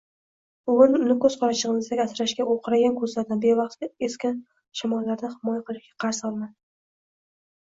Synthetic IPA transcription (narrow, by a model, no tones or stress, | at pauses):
ʊʊnʊnɪkɵz̥qʰɒɾaʃɨʁɨnɪzd̪akʲat̪ɾaʃkʲaʔolˠqʰɨɾaɡʲankʰɵzlaɾd̪anbe̞vɑχt̪ʲɪeskʲɪn | ʃamɒlːaɾd̪ahɪmɒjaqɨlˠɪʃɡʲḁqʰɑɾsɒlˠmad̪ɪ